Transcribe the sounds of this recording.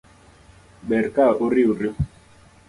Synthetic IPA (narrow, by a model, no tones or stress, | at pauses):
ɓɛɾkaʔuɾiuɾi